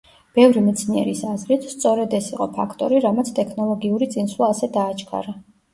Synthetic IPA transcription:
b̥ɛvɾimit̪sʰniɛ̰ɾisazɾit̪ʰst̪sʼɔɾɛd̪ɛsiqʼɔpʰakʰt̪ʼɔɾiɾamat̪sʰt̪ʼɛkʰnɔlˠɔɡiuɾit̪sʼinswlˠaːsɛd̪aːt͡ʃʰkʰa̰ɾa

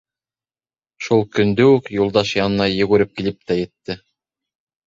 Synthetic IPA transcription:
ʃulˠkɵ̆nd̪ɵʉkjulˠd̪ɑʃjɑnɤ̆nɑjɵ̆ɡɵɾɘp̚kilɘp̚t̪æjɘ̆t̪ːɘ

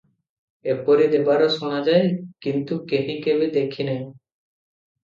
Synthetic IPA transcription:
epɔɾid̪ebaɾoʃonad͡ʑaekint̪ukeɦikebed̪ekʰine

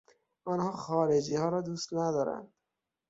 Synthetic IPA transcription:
ɒnhɒːxɒːɾed͡ʒiːhɒːɾɒːd̪uːst̪næd̪ɒːɾæ̰nd̪̥

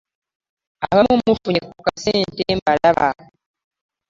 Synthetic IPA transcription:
ahamumufuɲekukaseːnteːmbaɾaβa̰

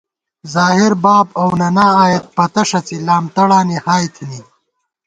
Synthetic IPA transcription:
zaːɦɪɾbaːbɐwnɐnaːaːjɐt̪̚pɐt̪ɐʂɐt͡silaːmt̪ɐɽaːnihaːjt̪ʰini

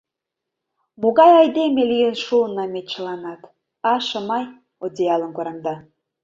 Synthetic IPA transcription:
muɣɑjɑjd̪emelʲijənʃulnɑmet͡ɕə̆lɑnɑt̪ | ɑʃə̆mɑj | od̪ʲiɑlˠə̆nkoɾɑmd̪ɑ

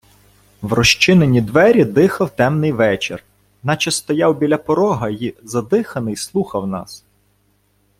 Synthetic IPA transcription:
wrɔʃt͡ʃɪnenʲid̪ʋɛɾʲid̪ɪxɐwt̪ɛmnɪjʋɛt͡ʃɪ̰r | nɑt͡ʃɐst̪ɔjɑwbʲilʲɐpɔɾɔɦɐjizɐd̪ɪxɐnɪjslˠuxɐwnɑ̰s

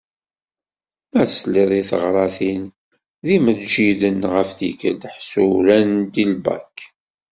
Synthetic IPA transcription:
mæθəsliðˤiθəʁɾˤɑθin | ðiməðd͡ʒiðənʁəfθikə̰d̪ħsuɾænd̪ilbæ̰k

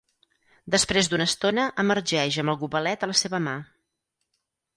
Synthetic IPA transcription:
d̪əspɾezd̪unəːst̪onəʔəmərʒɛʒəmbəlˠɣuβəlɛt̪ələseβəma

